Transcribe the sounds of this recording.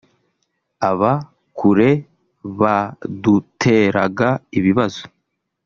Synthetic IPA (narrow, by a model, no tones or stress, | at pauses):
aβa | kʰuɾe̞ | βadutʰe̞ːɾa̰ɡaiβiβazo̥